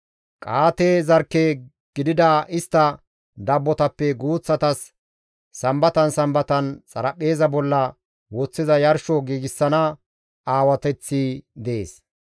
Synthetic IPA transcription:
kʼaːt̪ezɐɾkːe | ɡ̥ɪd̪ɪd̪ɐɪst̪ːɐ | d̪ɐbːɔt̪ɐpːɛɡuːt͡sːɐt̪ɐsː | ɐmbɐt̪ɐnsɐmbɐt̪ɐnt͡sʼɐɾɐpʼːe̞ːzɐbɔlːɐ | wɔt͡sːɪzɐjɐɾʃɔɡiːɡɪsːɐnɐ | aːwɐt̪ɛt͡sːid̪ɛḛːs

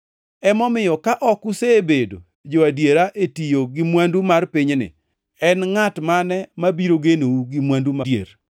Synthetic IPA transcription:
ɛmɔmɪjɔkaʔɔkusebedo̰ | d͡ʒoadjeɾaʔetijoɡɪmwandumarpɪɲnɪ̰ | ɛnŋatmanɛmabiɾoɡenouɡɪmwandumadjḛɾ

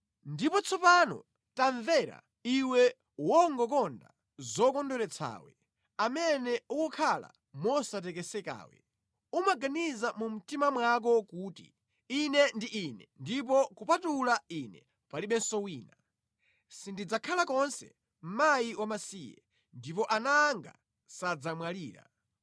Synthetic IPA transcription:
ndipɔt͡sʰɔpanɔ̰ | taɱvɛɾa̰ | iwɛ | wɔŋɡɔk̬ɔnda̰ | zɔkɔndɔɾɛt͡sʰa̰ːwɛ | amɛnɛuwɔkʰala̰ | mɔsat̬ɛkɛsɛka̰ːwɛ̰ | umaɡanizamum̩timamwak̬ɔkuːtḭ | inɛndiʔinɛndip̬ɔkupatulainɛ | paliɓɛnsɔwiːna | sindid͡zakʰalakɔnsɛ̰ | m̩majiwamasijɛ̰ | ndip̬ɔʔanaŋɡa̰ | sad͡zamwaliːɾa̰

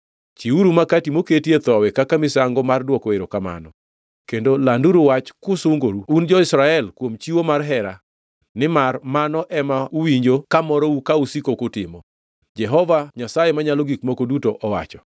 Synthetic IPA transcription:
t͡ʃiuɾumakatimoketiet̪ɔwekakamɪsaŋɡɔmardwɔkɔeɾokama̰nɔ | kendolanduɾuwat͡ʃkʊsʊŋɡoɾuund͡ʒɔɪsɾaɛlkwomt͡ʃiwomarɦɛɾa | nɪmarmanɔʔɛmauwiɲd͡ʒokamɔɾɔukausikokʊtɪmɔ | d͡ʒɛɦɔvaɲasajemaɲalɔɡikmokodutoʔɔwa̰t͡ʃɔ̥

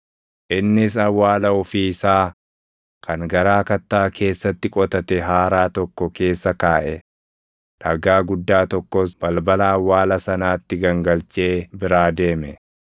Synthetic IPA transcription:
ʔɪnːɪs̬ɐwːaːlɐɔfiːɪsaː | kʰɐŋɡɐɾaːkɐt̪ːaːke̞ːsːɐt̪ːɪkʼɔt̪ɐt̪ɛɦaːɾaːt̪ɔkːɔke̞ːsːɐkaːʔɛ | ᶑɐɡaːɡʊd̪ːaːt̪ɔkːɔsb̥ɐlbɐlɐːwːaːlɐsɐnaːt̪ːɪɡɐŋɡɐlt͡ʃe̞ːbɪɾaːd̪e̞ːmɛ

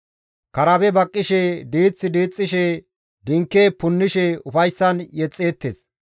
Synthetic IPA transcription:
kɐɾɐbɛbɐkʼːɪʃɛd̪iːt͡sʼːɪd̪iːt͡sʼːɪʃɛ | d̪ɪŋkːeːpʊnːɪʃɛʊfɐjsːɐnjɛt͡sʼːeːt̪ːeːs

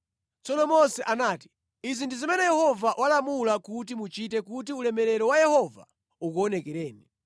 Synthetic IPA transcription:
t͡sɔnɔmɔsɛʔanaːti̥ | izindizimɛnɛjɛhɔvaʔwʔalamulakutimut͡ʃitɛkut̬iulɛmɛɾɛɾɔwajɛhɔva̰ | uk̬uɔnɛkɛɾɛːni

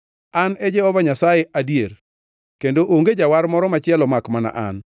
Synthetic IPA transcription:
anɛd͡ʒɛhɔvaɲasajeʔadijeɾ | kendoʔoŋɡed͡ʒawaɾmɔɾɔmat͡ʃɪɛlɔmakmana̰ʔa̰n

